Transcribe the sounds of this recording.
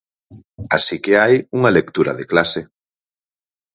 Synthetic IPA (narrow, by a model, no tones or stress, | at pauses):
asikeajuŋalekt̪uɾɐðeklase